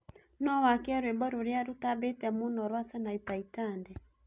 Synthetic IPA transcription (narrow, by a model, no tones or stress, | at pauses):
nɔwakeaɾwebɔɾoɾeaɾotabetɛmonɔɾwasanaipaitandɛ